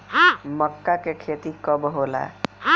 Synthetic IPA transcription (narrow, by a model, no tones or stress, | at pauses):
məkːakekʰet̪ikəbɦola̰